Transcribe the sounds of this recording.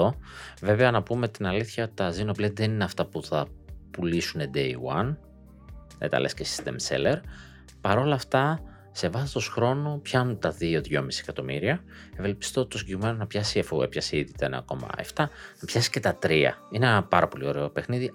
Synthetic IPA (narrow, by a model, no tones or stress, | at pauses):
o̞ve̞ve̞ɐnɐpume̞t̪inɐliθçɐo̞t̪i̥t̪ɐzinopled̪ðenineɐft̪ɐpuθɐpulisune̞d̪e̞iwɐ̰n | et̪ɐ̰lʔescesi̥st̪ḛmsḛleɾ | pɐɾo̞lɐft̪ɐ | se̞vɐsi̥t̪osxɾo̞nupçɐnunt̪ɐðio̞ðʝo̞misiekɐt̪o̞miɾiɐ | evelpi̥st̪o̞t̪osiɲɟekɣime̞nonɐpçɐsiɐfuepçɐsiiðit̪ɐen̰ɐ̰ko̞̰mɐ̰e̞̰ft̪ɐnɐpçɐsi̥ce̞t̪ɐt̪ɾiɐ̰inepɐɾɐpo̞lio̞ɾe̞ope̞xniði